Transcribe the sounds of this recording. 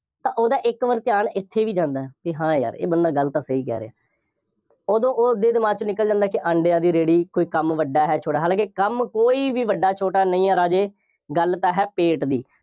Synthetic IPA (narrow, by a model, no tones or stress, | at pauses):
t̪ãːʔoːd̪aːʔɪkʋəɾt̪ɪjaːnɪt̪ʰːeːʋiːd͡ʒãːnd̪aːɦɛpiɦãːja̰ːɾḛːbənd̪aːɡəlt̪ãːsəiːkɛ̰ːɾḛa̰ː | oːd̪õːʔod̪eːd̪ɪmaːt͡ʃnɪkəld͡ʒãːnd̪aːkɪʔə̃ːɳɖɪjãːd̪iːɾeːɽiːkoːiːkəmʋəɖaːɦɛːt͡ʃʰoːʈaːɦaːlãːkɪkəmkoːiːʋiːʋəɖːaːt͡ʃʰoːʈaːnəĩːaːɾaːd͡ʒeː | ɡəlt̪aːɦɛːpeːʈd̪iː